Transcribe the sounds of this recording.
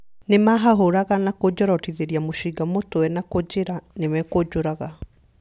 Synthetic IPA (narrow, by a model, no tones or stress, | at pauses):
nemaɦaɦoɾaɣanakod͡ʑɔɾɔtiðeɾiamoɕiɡamotowɛnakod͡ʑeɾanemɛkod͡ʒoɾaɣa